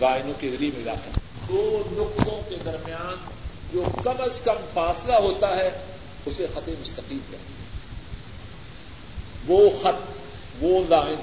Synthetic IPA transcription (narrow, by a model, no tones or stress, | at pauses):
zaːɪnõkezɐɾimẽla̰ːsɐk | d̪oːlʊqt̪õked̪ɐɾmijaːn | d͡ʒoːkɐməskɐmfaːslaɦoːt̪aɦɛ | ʊsexɐt̪ẽmʊst̪ɐqiːlkɐ̰t̪iɦɛ̃ː | ʋoːxɐt̪̚ | ʋozaːɦɪɾ